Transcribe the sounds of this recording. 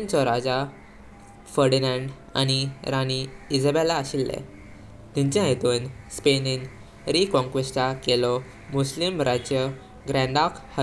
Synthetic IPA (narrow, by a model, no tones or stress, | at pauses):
nt͡sɔɾad͡za | fəɾɖinãɳɖ | a̰niɾaniid͡zəbelaːɕilːɛ̰ | t̪ĩɲt͡ɕãɦet̪uːnspenin | ɾikɔ̃ŋkʋesʈakelɔ | muslimɾad͡ʑjə | ɡɾɛ̃ɳɖakhə